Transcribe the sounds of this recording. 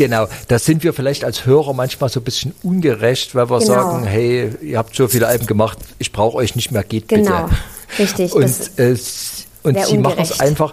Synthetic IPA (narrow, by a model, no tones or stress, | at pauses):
ɡ̥ənaʊd̥aːz̥ɪntv̥iːɐfɪlaɪçtalshøːʁɐmançmaːlzoːbɪsçn̩ʔʊnɡəʁɛçtv̥aɪlviːɐzaːɡŋ̩ɦɛɪiːɐhaːp̚tz̥oːfiːləʔalbm̩ɡəmaχtʔɪçb̥ʁaʊxəʔɔʏçnɪçtmeːɐɡ̥eːt̚b̥ɪntəɪʊntɛː | ʔʊnziːmaχn̩sʔa̰ɪnfaχ